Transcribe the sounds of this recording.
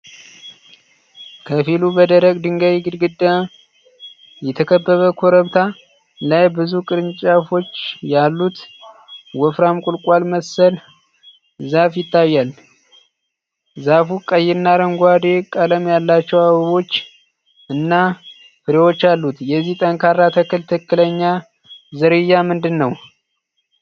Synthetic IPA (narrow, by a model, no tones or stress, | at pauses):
kʰəfilubəd̪əɾəɡʼd̪ɨŋɡəβiɡɨd̪ɡɨd̪ːə | jɛt̪ʰəkʰəbːəβəkʰoɾəβt̪ʰa | lajbɨzukʼɨɾɨnt͡ʃʼafo̞t͡ʃːjalːut̪ | wɔfɾamkʼʊlkʼalməsəl | zafjɪt̪ːajːal | zafukʼəjɪnːaɾəŋɡʷad̪e̞kʼələmjalːat͡ʃːɛwaβɨβo̞t͡ʃː | ɨnːa | fɨɾewo̞t͡ʃːalːut̪jɛzːiht̪ʼəŋkʰaɾːat̪ʰəkʰɨlt̪ʰɨkːɨləɲːa | zɨɾɨjːamɨnd̪ɨnːəw